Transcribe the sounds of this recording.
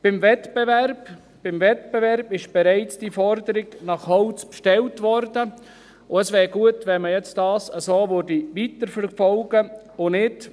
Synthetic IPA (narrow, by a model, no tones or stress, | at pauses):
b̥ɪmvɛtb̥ɛværb | b̥ɪmvɛtb̥ɛvɛɾbɪʃb̥ɛɾaɪt͡sd̥ifɔɾdəɾɪɡnɑχhɔʊt͡spʃtɛltʋɔɾdə | ʊəsʋɛːɾɡuətʋɛməjɛt͡std̥ɑːsəsoːʋøɾdiʋitəɾfəɾfɔlɡ̥ə | ʊnɪt